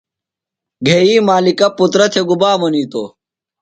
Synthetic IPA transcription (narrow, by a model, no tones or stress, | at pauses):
ɡʱeːiːmaːlikɐpːut̪ɾɐt̪ʰeɡubaːmɐniːt̪oː